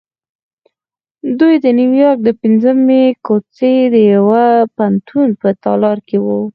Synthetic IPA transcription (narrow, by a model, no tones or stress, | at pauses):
d̪ujd̪əniwjɑɾk̚d̪əpɪnzəmekot͡sed̪əjawapant̪ʰunpət̪ɑlɑɾkewu